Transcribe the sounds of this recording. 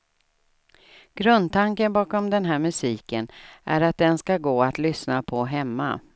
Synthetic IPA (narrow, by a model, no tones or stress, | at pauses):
ɡ̥ɾɵnd̪̚t̪aŋkənbɑːkɔmd̪ɛnɦæːɾmɵsiːkənʔæɾat̪̚d̪ɛnskaɡoːat̪lʏsnapʰɔɦɛmːa̰